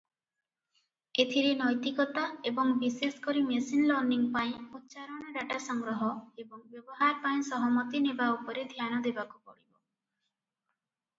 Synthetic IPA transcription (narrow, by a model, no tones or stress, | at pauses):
et̪ʰiɾenɔjt̪ikɔt̪aebɔŋbiseskɔɾimesinlɔɾniŋpaĩut̪ːʃaɾɔɽ̃ɔɾaʈasɔŋɡɾɔɦɔebɔŋbjɔbɔɦaɾpaĩsɔɦɔmɔt̪inebaupɔɾed̪ʱjanɔd̪ebakupɔɽibɔ